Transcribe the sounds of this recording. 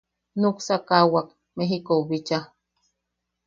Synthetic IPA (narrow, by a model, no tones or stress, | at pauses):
nuksakawak̚ | meɦikoβit͡ʃa